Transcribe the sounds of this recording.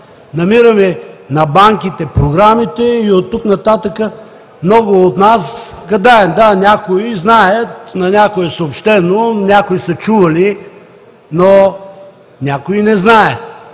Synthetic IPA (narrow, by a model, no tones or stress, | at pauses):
nɐmiɾəmɛnɐbaŋkit̪ɛpɾoɡɾamit̪ɛiot̪ːuknɐt̪at̪əkə | mnɔɡʊot̪nasɡɐd̪aɛmd̪anʲakoiznajət̪nɐnʲakoɛsɐopʃt̪ɛnonʲakoisɐt͡ʃuvɐli | no | nʲakoinɛznajət̪